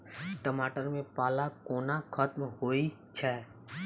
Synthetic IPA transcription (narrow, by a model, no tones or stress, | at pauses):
ʈəmaːʈəɾmẽpaːlakoːnakʰət̪mhoːi | t͡ʃʰɛː